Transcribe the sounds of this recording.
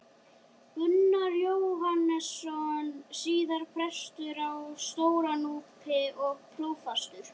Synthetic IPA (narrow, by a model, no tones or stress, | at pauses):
ʏnːaɾjoːwɦanːɛsːɔnsiːðaɾ̥pʰɾɛst̪ʏɾawst̪oːwɾanuːpʰɪʔɔɣpʰɾoːwfast̪ʏɾ̥